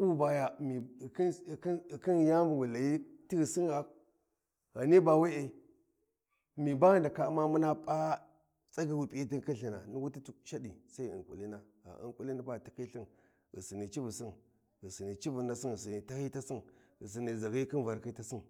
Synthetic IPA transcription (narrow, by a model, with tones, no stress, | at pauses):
u˦ba˨ja˨mi˨ki˦˨˦ki˦n˨ja˦vu˨wu˨la˨ji˦ti˦ɣi˨si˦na˨ | ɣa˨ni˦ba˨we˦e˨ | mi˨ba˦ɣa˦nda˨ka˨˦ma˦mu˦na˦pʼa˦ | t͡sʼa˦ɡi˦wu˨pi˦i˦ti˦n˦ki˦ɬi˨na̰˨ni˦wu˦ti˦tu˦ʃa˦di˨sa˦i˦ḭ˨ŋkʼṵ˨li˦na˦ɣa̰˨ʔḭ˨ŋku˦li˦na˦ba˦˨ti˦ki˦ɬi˦n | ɣḭ˨si˨ni˨t͡ʃi˦vu˨si˦n | ɣi˨si˨ni˨t͡ʃi˦vu˨na˦si˦nɣi˨s̬i˨ni˨ta˦hi˦ta˦si˦nɣi˨s̬i˨ni˨za˨ɣi˦ki˦nva˨ɾki˦ta˦si˦n